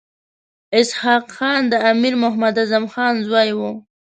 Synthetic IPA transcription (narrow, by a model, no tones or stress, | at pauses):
ɪshɑːqxɑnd̪əamiɾmʊɦmad̪azamxɑnzwɑjwu